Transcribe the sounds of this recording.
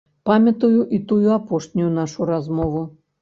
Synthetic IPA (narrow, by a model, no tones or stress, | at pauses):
pamʲɐt̪ɐjuʔit̪ujuapɔʂnʲujunaʂuɾazmɔvu